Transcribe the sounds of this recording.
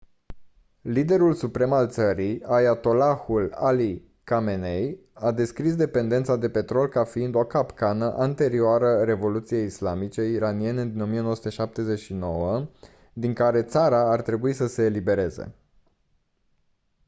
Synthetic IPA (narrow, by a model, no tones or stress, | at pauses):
lid̪e̞ɾulsupɾe̞malt̪səɾiajat̪o̞laxulali | kame̞nej | ad̪e̞skɾisd̪e̞pe̞nd̪e̞nt̪sad̪e̞pe̞t̪ɾo̞lkafiind̪o̞kapkanəʔant̪e̞ɾioaɾəɾe̞vo̞lut̪sije̞islamit͡ʃe̞iɾanie̞ned̪ino̞mijenowəsut̪e̞ʃap̚t̪e̞ze̞t͡ʃʃino̞wə | d̪iŋkaɾe̞t̪saɾaːrt̪ɾe̞buisəse̞ːlibe̞ɾe̞ze̞̰